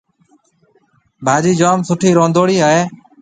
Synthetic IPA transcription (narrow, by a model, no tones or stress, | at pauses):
bʱaːd͡ʒiːd͡ʒaːmsʊʈʰiːɾõːnd̪oːɽiːɦaːeː